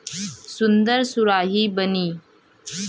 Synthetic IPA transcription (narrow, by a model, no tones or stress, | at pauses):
sʊnd̪əɾsʊɾaːɦiːbəniː